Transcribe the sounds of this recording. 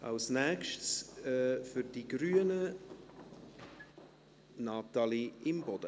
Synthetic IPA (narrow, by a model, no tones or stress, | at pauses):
a̰lsnɛkʃtsɛːfʏɾd̥iɡɾyːənə | nɑt̪aliɪmbɔd̥ə